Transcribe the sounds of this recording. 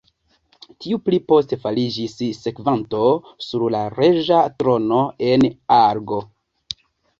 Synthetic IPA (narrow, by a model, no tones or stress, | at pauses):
tiuplipo̞ste̞falid͡ʒisːe̞kvanto̞ | suɾlaɾe̞ʒatɾo̞no̞e̞naɾɡo̞